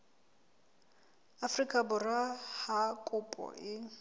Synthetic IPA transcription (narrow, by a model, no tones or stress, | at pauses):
afrikʼabʊrahakʼʊpʼɔ̰ʔɪ